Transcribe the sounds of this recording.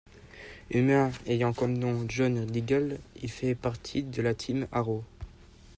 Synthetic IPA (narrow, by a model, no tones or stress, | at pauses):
ymɛ̃ejɑ̃kɔmnɔ̃ʒɔnd̪iɡalḭlfɛpaʁt̪ʰid̪əlat̪ʰimaʁo